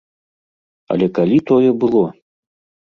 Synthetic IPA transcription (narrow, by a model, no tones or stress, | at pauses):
ɐ̰lʲɛkalʲit̪ɔjɛbɨlˠɔ